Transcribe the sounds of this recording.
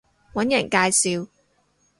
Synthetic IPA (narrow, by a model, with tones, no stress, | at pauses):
wɐ˨˥njɐ˨˩nkaː˧jsiː˨w